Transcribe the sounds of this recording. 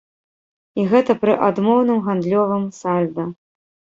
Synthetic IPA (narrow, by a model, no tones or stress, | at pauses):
iɣɛt̪ɐpɾɨʔad̪mɔwnɨmɣand̪lʲɔvɨmsalʲd̪ɐ